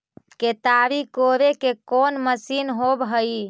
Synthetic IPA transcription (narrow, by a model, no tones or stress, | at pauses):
ket̪abikoɾekekonməsinɦobɦəi